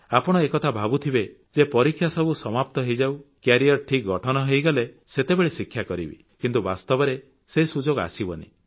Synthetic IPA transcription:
apɔɽ̃ɔekɔt̪ʰabʱabut̪ʰibed͡ʒepɔɾikʰːjasɔbusɔmap̚t̪ɔɦejd͡ʒawkjaɾijɔɾʈʰik̚ɡɔʈʰɔnɔɦejɡale | set̪ebeɭesikʰːjakɔɾḭbḭ | kint̪ubast̪ɔbɔɾe | sesud͡ʒoɡa̰sibɔnḭ

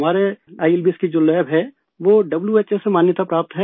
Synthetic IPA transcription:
maːɾeaːɪɪlbɪskid͡ʒolɛːbɦɛ | ʋoɖɐbljuet͡ʃesemaːnjət̪apɾaːp̚t̪ɦɛ

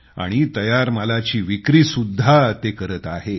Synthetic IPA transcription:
a̰ɽ̃it̪əjaɾməlat͡ɕiːʋikɾiːsud̪ʱːat̪ekəɾət̪aɦe

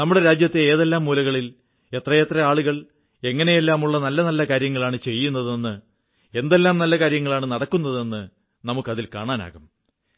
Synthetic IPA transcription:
nɐmːuɽe̞ɾaːd͡ʑjɐt̪ːeeːðelːaːmːuːlɐɣɐɭil | e̞t̪rɐjet̪rɐaːɭuɣɐɭ | e̞ŋːɐne̞jelːaːmuɭːɐnɐlːɐnɐlːɐkaːɾjɐŋːɐɭaːɳɨt͡ɕe̞jːunːɐðe̞nːɨ | e̞nd̪e̞lːaːmnɐlːɐkaːɾjɐŋːɐɭaːɳɨnɐɽɐkːunːɐðe̞nːɨ | nɐmukːɐðilkaːɳaːna̰ːɣum

